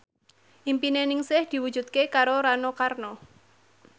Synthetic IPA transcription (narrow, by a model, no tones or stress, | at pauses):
ʔimpinenɪŋsɪhd̪̥i̤wud̥ʒ̥ṳt̪̚kekaɾoɾanokarno